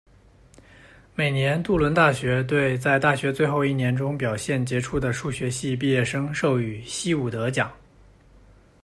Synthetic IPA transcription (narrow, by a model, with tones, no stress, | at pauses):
me˨˩ɪnjɛ˧˥nt̪u˥˩lwə˧˥nt̪a˥˩ɕɥɛ˧˥t̪̬we˥˧ɪt͡sa˥˧ɪt̪a˥˩ɕɥɛ˧˥t͡swe˥˧ɪxo˥˧ʊi˥˩njɛ˧˥nʈ͡ʂʊ˥ŋpjɑ˨˩ʊɕjɛ˥˩nt͡ɕjɛ˧˥ʈ͡ʂʰu˥˩d̪ə˩ʂu˥˩ɕɥɛ˧˥ɕi˥˧p̬i˥˧jɛ˥˩ʂɤ˥ŋʂo˥˩ʊy˨˩ɕi˥u˨˩t̪ɤ˧˥t͡ɕjɑ˨˩˦ŋ